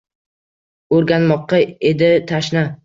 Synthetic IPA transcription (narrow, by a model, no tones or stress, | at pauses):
oɾɡʲanmɒqːɑed̪ɪt̪ʰaʃna